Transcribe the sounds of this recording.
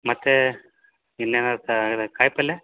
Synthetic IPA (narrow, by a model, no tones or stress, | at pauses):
mɐt̪ːe | inːeːnat̪ɐd̪ekaːjpɐlːe